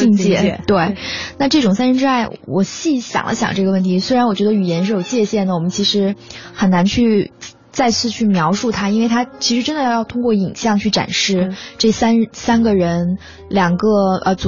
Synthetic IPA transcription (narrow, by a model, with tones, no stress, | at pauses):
t͡ɕi˥˧ŋt͡ɕjɛ˥˩˧t̪we˥˩ɪna˥˧ʈ͡ʂɤ˥˩ʈ͡ʂʊ˨˩ŋsa˥nʂə˥nʈ͡ʂɻ̩˥wa˥˩ɪwɔ̰˨˩ɕi˥˩ɕjɑ̰˨˩ŋlʔə̰˦ɕjɑ̰˨˩ŋʈ͡ʂɤ˥˩ɡə˩wə˥˩nt̪ʰi˧˥swe˥ɪɻa˧˥nwɔ˨˩t͡ɕɥɛ˧˥d̪ə˧y˨˩jɛ˧˥nʂɻ̩˥˩jo˨˩ʊt͡ɕjɛ˥˧ɕjɛ˥˩nd̪ə˩wɔ˨˩mə˦nt͡ɕʰi˧˥ʂɻ̩˧˥xə˨˩nna˧˥nt͡ɕʰy˥˧ | t͡sa˥˧ɪt͡sʰɹ̩˥˧t͡ɕʰy˥˩mjɑ˧˥ʊʂu˥˩t̪ʰa˥i˥nwe˥˩ɪt̪ʰa˥t͡ɕʰi˧˥ʂɻʈ͡ʂə˥nd̪ə˨˧˥jɑ˥˩ʊt̪ʰʊ˥ŋkwɔ˥˩i˨˩nɕjɑ˥˧ŋt͡ɕʰy˥˩ʈ͡ʂa̰˨˩nʂɻ̩˥˩˧ʈ͡ʂɤ˥˩sa˥nsa˥nɡə˨ɻə˧˥n | ljɑ˨˩ŋɡə˧ə˧t͡s